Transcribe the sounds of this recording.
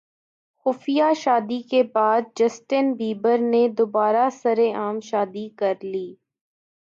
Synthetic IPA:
xʊfijaʃaːd̪ikebaːd̪̚d͡ʒɐsʈɪnbiːbəɾned̪obaːɾasɐɾeʔaːmʃaːd̪ikɐɾliː

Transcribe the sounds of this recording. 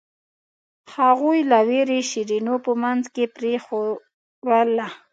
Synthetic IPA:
haɣujlaweɾeʃiɾinopəmanzkepɾexo | wala

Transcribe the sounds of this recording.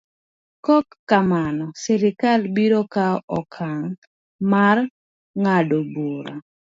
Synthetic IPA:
kɔkːamanɔsɛɾɪkalbiɾokaɔkʰaŋ | mar | ŋadobuɾa

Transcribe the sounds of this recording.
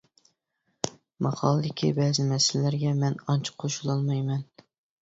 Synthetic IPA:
mɑqʰɑlˠɨd̪ɪkʲʰḭbɛzɪmɛsɪlɪlæɾɡʲɛmɛnɑnt͡ʃʰɪ̥qʰoʃulˠɑlˠmɑjmɛn

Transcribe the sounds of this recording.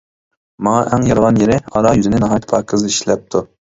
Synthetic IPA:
mɑŋɑʔɛŋjɑɾʁɑnjeɾɪɑɾɑjyzɪnɪnɑɦɑjt̪pʰɑɾkʰɨzɨiʃlɛp̚t̪ʰu

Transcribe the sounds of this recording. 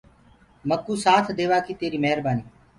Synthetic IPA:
məkːuːsaːt̪ʰd̪eːʋaːkiːt̪eːɾiːmɛɦɾbaːniː

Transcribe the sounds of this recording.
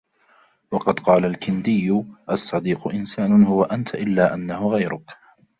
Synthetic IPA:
wɑqɑd̪qɑːlalkɪnd̪ɪjːʊʔɑsˤːɑd̪iːqʊʔɪnsaːnʊhʊwaʔant̪ʰaʔɪlːaːʔanːahʊɣajɾʊk

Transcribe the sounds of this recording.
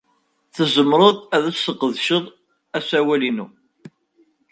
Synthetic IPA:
θəzəmɾˤoðˤæðæt͡ssəqːəðʃəðˤ | æsæwælinu

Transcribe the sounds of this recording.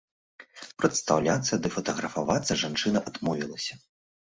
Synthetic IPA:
pɾɐt̪st̪awlʲat̪sːɐd̪ɨfɐt̪ɐɣɾɐfavat̪sːɐʐant͡ʂɨnɐʔad̪mɔvʲilˠɐsʲɐ̥

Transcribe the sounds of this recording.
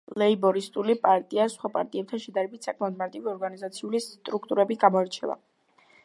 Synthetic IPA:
lɛibɔɾist̪ʼulipʼaɾt̪ʼiasχwapʼa̰ɾt̪ʼiɛp̚t̪ʰanʃɛd̪aɾɛbit̪ʰsakʰʼmɛɔd̪maɾt̪ʼiviɔɾɡanizat̪sʰiulit̪ʼɾuk̚ʰt̪ʼuɾɛbiɡamɔɛɾt͡ʃʰɛ̰va̰

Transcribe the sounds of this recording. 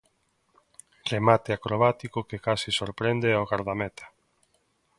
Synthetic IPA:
remat̪eakɾoβ̞at̪ikokekasisoɾpɾend̪eaoɣaɾðamɛt̪ʰḁ

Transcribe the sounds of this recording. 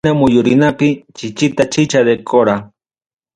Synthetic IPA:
amʊjʊɾɪnapɪt͡ʃɪt͡ʃɪt̪at͡ʃɪt͡ʃad̪ekʰoɾa

